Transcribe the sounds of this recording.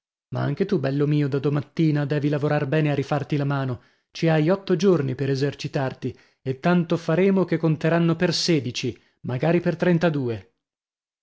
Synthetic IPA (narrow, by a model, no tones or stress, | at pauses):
maa̰ŋk̟et̪ubɛlːomiːod̪ad̪omat̪ːiːnad̪ɛːvilavoɾarbɛːnearːifart̪ilamaːno | t͡ʃiajɔt̪ːod͡ʒornipeɾezert͡ʃit̪art̪i | et̪ːant̪ofaɾeːmok̟ekːont̪eɾanːoperseːd̪it͡ʃi | maɡaːɾipert̪ɾɛnt̪ad̪uːe